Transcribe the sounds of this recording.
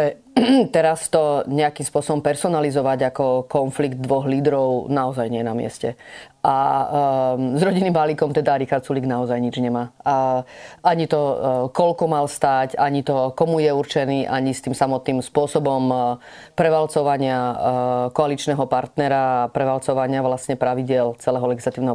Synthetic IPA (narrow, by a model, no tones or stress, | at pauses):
ɛ | t̪ɛɾast̪ɔɲɛakiːmspʊɔsɔbɔmpɛɾsɔnalizɔʋaɟakɔkɔnfliɡd̪̚d̪ʋɔɣliːd̪ɾɔʊnaɔzajɲɪɛnamɪɛ̰scɛ̰ʔa | zɾɔɟinːiːmbaliːkɔmt̪ɛd̪aɾixaɾt̪suliɡnaɔzajɲid͡ʒɲɛmaː | ʔaɲit̪ɔkɔʎkɔmalst̪aːcaɲit̪ɔkɔmujɛuɾt͡ʃɛniːʔaɲist̪iːmsamɔt̪niːmspʊɔsɔbɔmpɾɛʋalt͡sɔʋaɲɪa | kɔalit͡ʃnɛɦɔpaɾt̪nɛɾapɾɛʋalt͡sɔʋaɲɪaʋlasɲɛpɾaʋiɟɪɛlt͡sɛlɛːɦɔlɛɡislat̪iʊnɛɦɔ